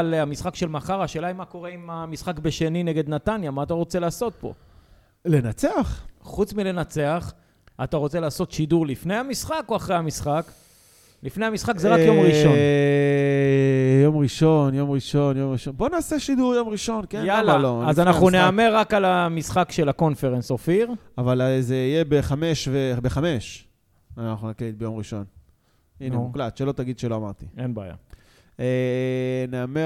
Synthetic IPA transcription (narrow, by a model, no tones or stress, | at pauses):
lamisχakʃe̞lmaχaʁaʃelaimako̞ʁe̞imamisχakbeʃe̞nineɡe̞d̪nat̪anjamaːt̪aʁo̞t͡se̞laːso̞t̪̚po̞̰ | le̞nat͡seaχχut͡smile̞nat͡se̞aχ | at̪aʁo̞t͡se̞laːso̞tʃiduʁlifnejhamisχakoaχʁejhamisχak | lifne̞jhamisχakzeʁajo̞mʁiʃon | jomʁiʃo̞njo̞mʁiʃo̞njo̞mʁiʃonbo̞naːseʃid̪uʁjo̞mʁiʃo̞nkejalaloazanaχuneameʁakalamisχakʃelako̞nfeʁensofiʁavalzeijebeχameʃvebeχame̞ʃ | anaχunaklit̪bejo̞mʁiʃo̞n | inemuklat̪ʃelo̞t̪aɡid̪ʃeloamaʁt̪ienbeaja̰ | eneame